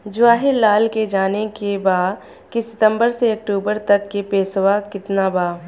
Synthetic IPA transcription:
d͡ʒʊʋaːɦɪɾlaːlked͡ʒaːnekebaː | kisɪt̪ə̃mbəɾseɐk̚ʈuːbəɾt̪ɐkːepeːsʋakɪt̪nabaː

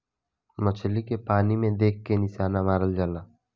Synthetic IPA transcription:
mət͡ʃʰlikepaːnimẽd̪eːk̚ʰkenɪʃaːnamaːɾəld͡ʒaːlaː

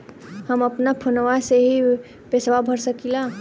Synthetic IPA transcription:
həməpnapʰʊnʋaseɦi | peswabʱəɾsəkilaː

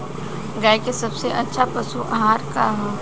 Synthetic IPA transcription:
ɡaːjkesɐbseʔɐtːʃʰapɐsuʔɦaːɾkaɦa

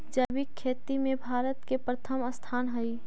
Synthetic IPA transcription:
d͡ʒɐbɪkʰːeːt̪imẽbʱaːɾət̪kepɾət̪ʰəməst̪ʰaːnɦəi

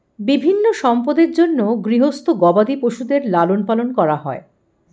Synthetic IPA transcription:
bibʱinːoʃɔmpod̪eɾd͡ʑonːoɡɾiɦost̪ʰoɡɔbad̪ipoʃud̪eɾlalonpalonkɔɾaɦɔe

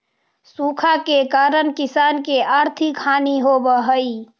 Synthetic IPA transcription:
suːkʰakekaːɾənkɪsaːnkeaːɾt̪ʰɪkʰːaːniɦobəɦəi

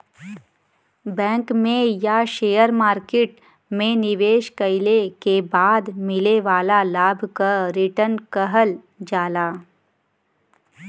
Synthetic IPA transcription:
bɛ̃ːŋkmẽjaʃeːjəɾmaːɾkeːʈ | mẽnɪʋeːʃkəɪlekebaːd̪mɪleʋaːlalaːbʱkaɾɪʈənkəɦəl | d͡ʒaːlaː

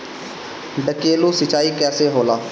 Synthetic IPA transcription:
ɖəkeːluːsɪt͡ʃaːiːkɛːseːɦoːlaː

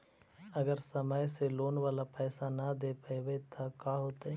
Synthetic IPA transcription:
ɐɡəɾsɐməjseloːnʋaːlapɛːsanad̪eːpaeʋet̪ʰakaɦoːt̪aɛ

